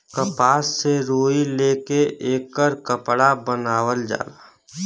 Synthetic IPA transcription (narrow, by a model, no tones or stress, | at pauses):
kəpaːsːeɾoːileːkeʔeːkəɾkəpɽabənaːwəld͡ʒa̰ːlaː